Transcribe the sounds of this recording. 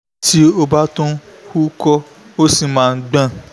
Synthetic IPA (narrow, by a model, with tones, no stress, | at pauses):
ti˦o˦˧ba˦tũ˦hu˦kɔ˦ | o˦si˨mãː˨˦˧n̩˦ɡ͡bã˦˨